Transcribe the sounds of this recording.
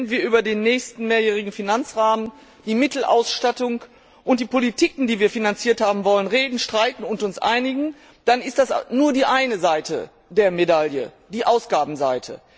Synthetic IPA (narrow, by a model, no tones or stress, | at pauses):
nviːɐʔyːbɐdeːnːɛːçstn̩meːɐjɛːʁ̞ɪɡŋ̩finant͡sʁaːmən | d̥iːmɪtl̩ʔa̰ʊsʃtatʊŋ | ʔʊnt̚d̥iːpolitʰiːkŋ̩diːviːɐfinant͡siːɐthaːbm̩vɔlənʁeːdn̩ʃtʁ̥aɪtn̩ʊntʊnsʔa̰ɪnɪɡŋ̩ | d̥anɪstd̥asnuːɐdiːʔaɪnəzaɪtə̰ | deːɐmedaljə̰ | d̥iːʔaʊsɡ̥aːbm̩zaɪtʰə̰